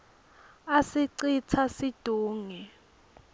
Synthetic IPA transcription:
asiǀit͡sʰasid̥ʱuːŋɛ

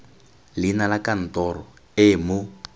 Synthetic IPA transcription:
linalakan̩tɔrɔ | ɪmʊ

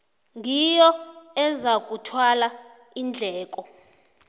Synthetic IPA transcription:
ŋʱijɔɛzak̬ʼutʰwala | ind͡ɮʱɛːkʼɔ

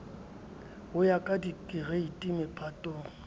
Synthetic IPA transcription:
ɦʊjakʼadikʼɪreitʼimɪpʼʰatʼoːŋ̩

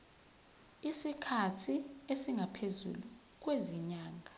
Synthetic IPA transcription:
isikʰatʰiesiŋɡʱapʰezṵlu | k̬weziɲaːŋʱa

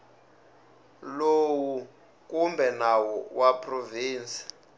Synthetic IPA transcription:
lowu | k̬ʼumbɛnawɔwʔapʰʼroviːnsi̥

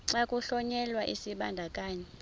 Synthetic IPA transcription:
ǀakʼuɬɔɲɛlwaʔisiɓandʱakʼaːɲɛ

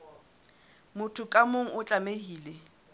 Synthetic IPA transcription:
mʊtʰʊkʼamoŋ̩ʊt͡ɬʼamehiːle

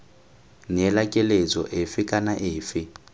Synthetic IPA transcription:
nɛlakʼɛled͡zʼɔʔefɪkʼanaʔɪːfɪ

